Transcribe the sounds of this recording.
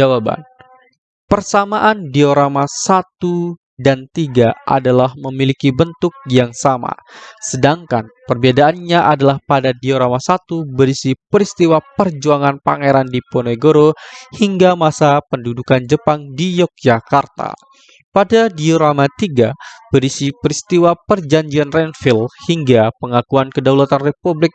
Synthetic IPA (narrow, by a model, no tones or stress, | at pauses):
d͡ʒawaba̰n | pərsamaʔandioɾamasat̪u | dant̪iɡaʔa̰dalahməmilikibənt̪ʊk̚jaŋsama̰sədaŋkanpərbiadaʔanɲaʔadalahpadadioɾamasat̪ubəɾisipəɾist̪iwapərd͡ʒuaŋanpa̰ŋeɾandiponoɡoɾohiŋɡamasapəndudukand͡ʒəpaŋdijɔk̚d͡ʒakart̪a̰ | padadioɾamat̪iɡabəɾisipəɾist̪iwapərd͡ʒaɲd͡ʒianrɛnfilhiŋɡapəŋakuankədawlat̪anrepublɪk̚